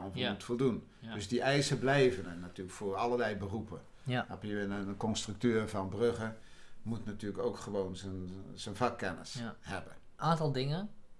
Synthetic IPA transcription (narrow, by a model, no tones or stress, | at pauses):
onvəmutfolˠdun | døsdiʔɛjsəblɛjvənənːatyːləkfʊːrɑləlɛjbərupə | apiʋɪnənkɔnstryk̚tøːrvɑnbrøɣəmutnatyːləkoːkχəʋownzənzənfakːɛnə̰shɛbən | ʔaːntɑlˠdɪŋə